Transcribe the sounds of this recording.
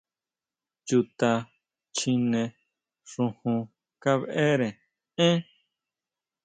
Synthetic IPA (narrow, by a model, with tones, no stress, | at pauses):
t͡ʃu˧t̪a˧ | t͡ʃĩ˧nẽ˧ | ʂũ˧hũ˧ | ka˦βe˦˧ʔe˦ɾẽ˨ | ẽ˦